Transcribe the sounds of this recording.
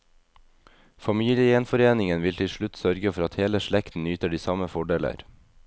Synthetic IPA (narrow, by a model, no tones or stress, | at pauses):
fɑmiːljəɛnfɔɾeːnɪŋənʋɪlt̪ʰɪlʃʉt̪sœɾɡəfɔɾɑt̪heːləʃɭɛkt̪n̩nyːt̪əɖiːsɑməfɔɖeːlə̰ɾ